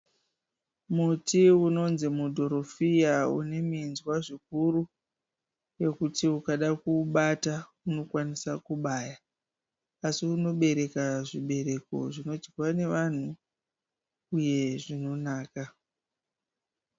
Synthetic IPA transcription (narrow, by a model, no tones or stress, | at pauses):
mutiuno̞nzimudʱo̞ɾo̞fijaṵne̞minzwaʐik̚uɾu | je̞kutiukaɗakuɓata | uno̞kwanisakuɓaja | asiuno̞ɓe̞ɾe̞kaʐiɓe̞ɾe̞ko̞̰ʐino̞d͡ʒɡwane̞ʋan̤u | je̞ʐino̞naːka